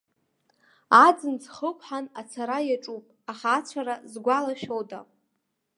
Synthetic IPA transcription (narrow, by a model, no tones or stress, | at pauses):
ad͡zɨnd͡zχəkʷʰʼħanat͡sʰaɾajaʈ͡ʂʼupʼaχaːt͡sʷʰaɾazɡʷalaʃᶣowda̰pʼ